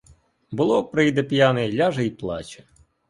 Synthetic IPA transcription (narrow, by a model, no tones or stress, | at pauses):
bʊlˠɔpɾɪjd̪ɛpʲjanɛlʲaʒɐjplˠɑ̰t͡ʃɐ̥